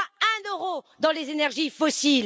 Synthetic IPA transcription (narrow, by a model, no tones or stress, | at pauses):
ɛ̃nøʁod̪ɑ̃lezenɛʁʒifɔsil